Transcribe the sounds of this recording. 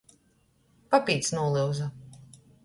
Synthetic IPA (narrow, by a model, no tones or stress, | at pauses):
papʲiːt̪snuɔlˠɨwza